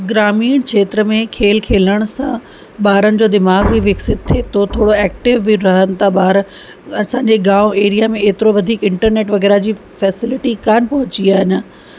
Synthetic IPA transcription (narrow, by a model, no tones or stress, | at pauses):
ɡɾaːmiːɽ̃kʰeːt̪ɾəmẽkʰeːlkʰeːləɽ̃sã | ɓaːɾənɪ̆d͡ʑoːd̪ɪmaːɡbʱiʋɪksɪt̪̚t̪ʰeːt̪ʰot̪ʰoːɽoɛːk̚ʈɪʋːiɾɐɦənɪ̆t̪ʰaɓaːɾ | ɐsãːɲd͡ʑeɡaːeːɾijamẽeːt̪ɪɾoʋɐd̪ʱiːkɪ̃ɳʈəɾneːʈʋɐɣɛːɾad͡ʑiː | fɛːsɪlɪʈikaːnpɐɦʊ̃t͡ɕiaːɦɪn̆